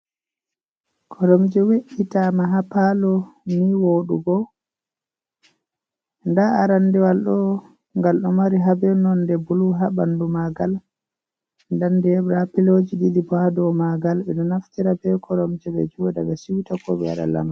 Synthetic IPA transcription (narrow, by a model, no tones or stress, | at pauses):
kʰɔɾɔmd͡ʒɛweʔitamaɦapalɔniwoɗṵɡɔ | ndaaɾandɛwalɗɔ | ŋɡalɗɔmaɾiɦabɛnɔndɛbuluɦabandumaɡal | ndandɛbɾapilod͡ʒiɗid̪ibɔhadɔmaɡalbɛnɔnaftiɾabɛkʰɔɾɔmd͡ʒɛɓɛ̰d͡ʒuwdaɓɛsiwtakɔ̰ɓɛ̰a̰ɗa̰la̰ma